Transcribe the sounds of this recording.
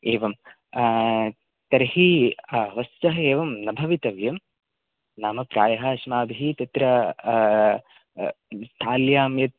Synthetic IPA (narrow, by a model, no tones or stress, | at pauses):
eːʋɐm | t̪ɐɾhiɐʋɐst̪ɐɦɐeːʋɐmnɐbʱɐʋit̪ɐʋjɐm | naːmɐpɾaːjɐɦaːʃɐmaːbʱiɦit̪ɐt̪ɾɐ | st̪ʰaːljaːmjɐt̪̚